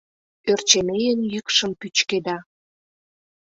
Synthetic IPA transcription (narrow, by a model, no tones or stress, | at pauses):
ørt͡ɕemejənjykʃəmpyt͡ɕked̪ɑ